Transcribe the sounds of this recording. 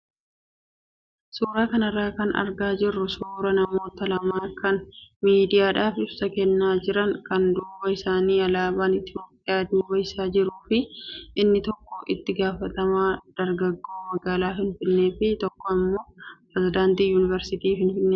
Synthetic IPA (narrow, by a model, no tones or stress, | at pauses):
suːɾaːkɐnɐrːaːkɐnɐ̰ɾɡaːd͡ʒɪrːʊsuːɾɐnɐmo̞ːt̪ɐlɐmaːkɐnmiːd̪ɪjaːᶑaːfɪbsɐkɛnːaːd͡ʒɪɾɐŋkɐnd̪uːbɐɪsaːniːɐlaːbaːnɪt̪ɪjoːpːɪjaːd̪uːbɐɪsaːd͡ʒɪɾuːfɪʔɪnːɪt̪ɔkːɔʔɪt̪ːɪɡaːfɐt̪ɐmaːd̪̥ɐɾɡɐɡːo̞ːmɐɡaːlaːfɪnfɪnːe̞ːfɪt̪ɔkːɔɐmːo̞ːpɾɛzɪd̪aːnt̪iːjuːnɪvɛɾsɪt̪iːfɪnfɪnːeː